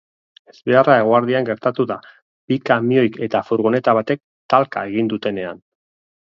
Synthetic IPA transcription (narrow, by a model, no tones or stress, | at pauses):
e̞zβe̞arae̞ɣ̞oaɾðiaŋɡe̞ɾt̪at̪uða | bikamio̞jke̞t̪afuɾɣone̞t̪aβ̞at̪e̞k̚ | t̪alkae̞ɣ̞ind̪ut̪e̞ne̞a̰n